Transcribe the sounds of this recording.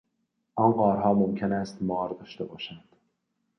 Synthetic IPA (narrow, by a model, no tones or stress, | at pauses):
ʔɒnɢɒːɾɦɒːmomcʰenæst̪mɒːɾd̪ɒːʃt̪ebɒːʃænd̪̥